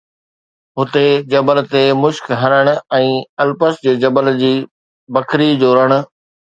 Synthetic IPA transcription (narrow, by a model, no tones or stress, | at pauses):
ɦʊt̪ed͡ʑɐbəlt̪emʊʃkɦɐnəɽ̃ʊ̆ɛ̃ːɐlpəsd͡ʑeːd͡ʑɐbəld͡ʑiː | bɐkʰɾid͡ʑoːɾəɽ̃ʊ̆